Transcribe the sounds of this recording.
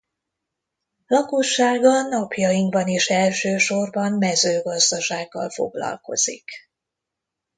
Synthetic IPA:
lɒkoʃːaːɡɒnːɒpjɒjiŋɡbɒneːʃɛlʃøːʃo̞rbɒmmɛzøːɡɒzd̪ɒʃaːɡːɒ̰lfo̞̰ɡlɒ̰lko̞̰z̥ik

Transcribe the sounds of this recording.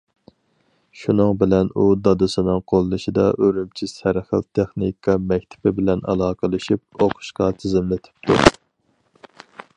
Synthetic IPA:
ʃunɨŋbɪlɛnud̪ɑd̪ɨsɨnɨŋqʰolˠːɨʃid̪ɑʔøɾymt͡ʃʰisæɾχə̰lt̪ʰɛχnikʰɑmɛk̚ʲt̪ʰɪ̥pɪbɪlɛnɑ̰lˠɑːqʰəlˠɨʃip̚oqʰʊ̥ʃqɑt̪ʰɪzɪmlɪt̪ʰɪ̥p̚t̪ʰṵ

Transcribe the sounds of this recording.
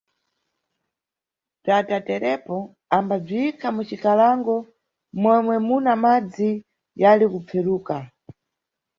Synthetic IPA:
b͡ʐatatɛɾɛpɔ | ambab͡ʐiikʰamut͡ʃikalaŋɡɔ | mwɛmwɛmunamad͡zi | jalikup͡fʰɛɾuːka

